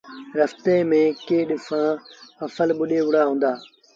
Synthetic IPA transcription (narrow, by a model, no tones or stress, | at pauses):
ɾɐft̪eːmẽːkeːɗɪfãːɐfəlɓʊɗeːʊɽaːɦũːn̆d̪aː